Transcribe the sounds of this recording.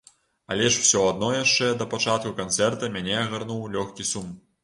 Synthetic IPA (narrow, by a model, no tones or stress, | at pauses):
a̰lʲɛʂw̥sʲɔad̪̚nɔjaʂt͡ʂɛd̪ɐpat͡ʂat̪̚kukant̪sɛrt̪ɐmʲanʲɛɐɣarnuwlʲɔxkʲisum